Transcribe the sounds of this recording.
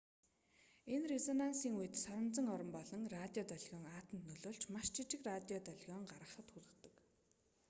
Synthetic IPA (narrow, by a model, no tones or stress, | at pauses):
enrezɔnansiːŋujɘ̆t̪sɔɾə̆mt͡sə̆ŋɔɾɞ̆mpɔɮɞ̆ŋrat̪ʲiɔt̪œɮɣʲɔːŋaːt̪ə̆nt̪nɵɮoːɮt͡ɕmaʃt͡ɕʰit͡ɕɪ̆krat̪ʲiɔt̪œɮɣʲɔːŋɢaɾʁə̆χə̆t̪xuɮə̆kt̪ə̆k